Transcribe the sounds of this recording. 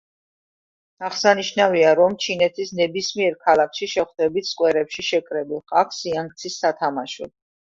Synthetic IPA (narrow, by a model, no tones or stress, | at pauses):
aχsaniʃnaviaɾɔmt͡ʃʰinɛt̪ʰisnɛbismiɛɾkʰalakʰʃiʃɛχd̪ɛbit̪ʰskʼwɛɾɛpʃiʃɛkʼɾɛbilˠχakʰsiaŋk̚t̪sʰisːat̪ʰamaʃɔ̰